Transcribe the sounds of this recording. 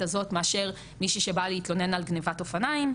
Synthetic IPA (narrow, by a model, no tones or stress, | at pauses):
azo̞tmeaʃe̞ʁ | miʃiʃe̞baleit̪lo̞ne̞nalɡnevato̞fanaim